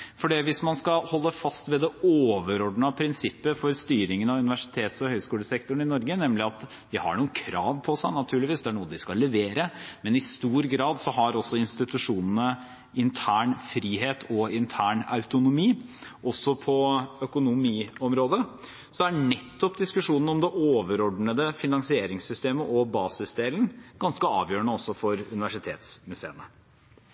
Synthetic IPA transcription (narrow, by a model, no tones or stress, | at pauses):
fɔɖiːʋɪsmɑnskɑhɔlːəfɑst̪ʋɛd̪ɛoːʋəɾɔɖɳɑpʰɾɪnsɪpːəfɔɾst̪yːɾɪŋənɑʋʉnɪʋæʂɪ̥t̪ʰeːt̪sɔhœʏskuːləsɛkt̪ʊɳ̩ɪnɔɾɡənɛmlɪɑt̪ | d̪ɪhɑ̰ɳuːəkʰɾɑ̰ːʋpʰɔsæɪnɑt̪ʰʉːɭɪʋiːsd̪ɛæɳuːəd̪ɪskɑlːɛʋeːɾəmɛnɪst̪uːɾɡɾɑːd̪sɔɦɑɾɔsːɔɪnst̪ɪt̪ʉʂuːnənə | ʔɪnt̪ʰæːɳfɾiːɦeːt̪ʰɔɪnt̪ʰæːɳɑ̰ʉt̪ʊnʊmiːʔɔsːɔpʰɔœkʊnʊmiːɔmɾoːd̪ə | sɔæɳɛt̪ːɔpd̪ɪskʉʂuːnn̩ɔmd̪ɛʔoːʋəɾɔɖɳəd̪əfɪnɑŋsɪeːɾɪŋsʏst̪eːməʔɔbɑːsɪsd̪eːlənɡ̥ɑnskəɑ̰ːʋjøːəɳəɔsːɔfɔɾʉnɪʋæʂɪt̪ʰḛːt̪smʉsḛːnə